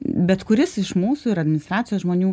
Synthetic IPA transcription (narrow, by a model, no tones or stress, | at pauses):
bʲɛt̪kʊɾʲɪsɪʃmuːsuːɪɾɐd̪ʲmʲɪnʲɪst̪ɾɑːt͡sʲsʲɪjoːsʒmoːnʲuː